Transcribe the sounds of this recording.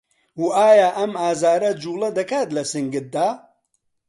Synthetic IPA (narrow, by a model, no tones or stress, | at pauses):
wuaːjaːʔɐmaːzaːɾɐd͡ʒuːlˠɐd̪ɐkaːt̪lɐsɨŋɡɨt̪̚d̪aː